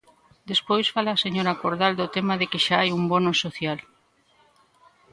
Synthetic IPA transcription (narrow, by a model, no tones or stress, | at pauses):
d̪espojsfalaːseɲoɾakoɾðald̪ot̪emaðɪkɪʃaajumbonosoθjal